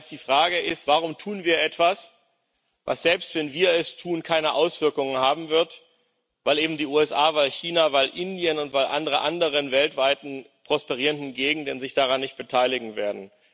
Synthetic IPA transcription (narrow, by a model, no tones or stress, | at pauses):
sd̥iːfʁ̥aːɡəʔɪstv̥aʁ̞ʊmtʰuːnviːɐʔɛtv̥as | va̰sz̥ɛlpstv̥ɛnviːɐɛstʰuːnkʰaɪnəʔaʊsv̥ɪɐkʊŋənhaːbm̩vɪɐt | v̥aɪlʔeːbm̩diːʔuːɛsʔaːvaɪlçiːnavaɪlʔɪndiənʊntv̥aɪlʔa̰ndəʁəʔandəʁ̞ənvɛltv̥aɪtn̩ | pʁ̥ɔspɛʁ̞iːʁəndn̩ɡeːɡŋ̩dənzɪçd̥aʁanːɪçt̚b̥ətʰaɪlɪɡŋ̩veːɐdn̩